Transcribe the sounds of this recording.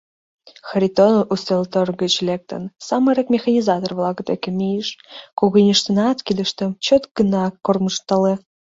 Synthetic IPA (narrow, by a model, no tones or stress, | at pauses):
xɾʲit̪onʔust̪elt̪orɣət͡ɕlek̚t̪ə̰nsɑmeɾekmʲexɑnʲizɑt̪orβlˠɑɣət̪ekemʲijeʃkuɣənʲəʃt̪ənɑt̪kid̪əʃt̪ə̆mt͡ɕot̪ɡənɑkorməʃt̪ɑle